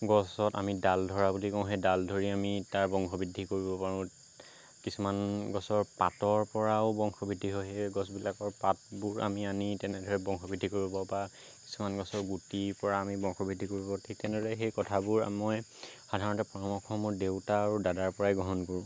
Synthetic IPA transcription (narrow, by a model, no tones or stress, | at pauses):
ɡɔsɔta̰midaldʱɔɹabulikɔ̃ʊ̃ɦedaldʱoɹiamitaɹbɔŋkʰɔbidʱːikoɹibɔpaɹʊ̃ | kisumanɡɔsɔɹpatɔɹpɔɹaʊbɔŋxʰɔbʱidʱːiɦɔɦeɡɔsbilakɔɹpat̚buɹa̰mianitɛnɛdʱɔɹɛbɔŋxʰɔbidʱikoɹibɔbɔba | ki̥sumanɡɔsɔɹɡutipɔɹaːmibɔ̃ŋxʰɔbidʱikoɹibɔtʰik̚tɛnɛdɔɹɛxejkɔtʰabuɹa̰mɔjxadʱaɹɔntɛpɔɹɔmɔkʰɔmʊɹdewtaːɹudadaɹpɔɹajɡɹɔɦɔnkoɹũ